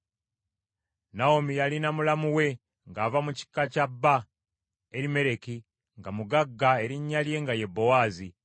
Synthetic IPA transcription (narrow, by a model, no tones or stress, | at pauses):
naomijalinamulamuwe̞ | ŋɡaːvamuci̥kːacabːa | eɾime̞ɾe̞ki | ŋɡamuɡaɡːae̞ɾiɲːalje̞ŋɡaje̞bːo̞waːzi